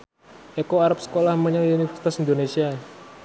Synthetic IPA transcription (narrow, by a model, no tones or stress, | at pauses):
ʔekoaɾap̚sə̥kolahməɲawunifərsi̥t̪asind̪onesia